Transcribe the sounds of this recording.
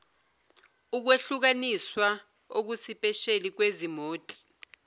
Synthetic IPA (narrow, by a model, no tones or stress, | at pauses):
uk̬weɬuk̬aniswa | ok̬usipʼɛʃelik̬wezimoːtʼi̥